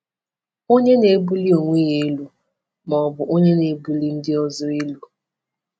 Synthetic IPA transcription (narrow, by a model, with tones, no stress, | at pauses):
o˦ɲe˦ne˨˦bu˦li˦o˨ŋʷe˦je˨˦lu˦ | mɔ˨bʊ˨ʔo˦ɲe˦ne˨˦bu˨li˦n̩˦dɪ˦ɔ˦zɔ˦e˦lu˦